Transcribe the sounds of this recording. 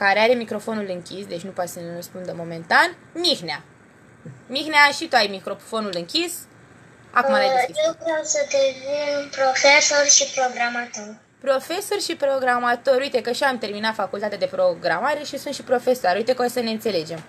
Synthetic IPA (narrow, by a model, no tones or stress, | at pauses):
kaɾeaɾemikɾo̞fo̞nulɨŋkʲisd̪e̞t͡ʃʲnupasənerəspund̪əmo̞me̞nt̪an | mixnea | mixneaʃit̪uajmikɾo̞fo̞nulɨŋkʲis | a̰kumalaijewvɾewsəd̪evinpɾofesorʲʃipɾo̞ɡɾamat̪or | pɾo̞fe̞so̞rʲʃipɾo̞ɡɾamat̪o̞ɾujt̪e̞kəʃiamt̪e̞rminat̪fakult̪at̪ʲad̪epɾo̞ɡɾamaɾe̞ʃisunt̪ʃipɾo̞fe̞soaɾujt̪ekəosəneɨnt̪se̞le̞d͡ʒe̞m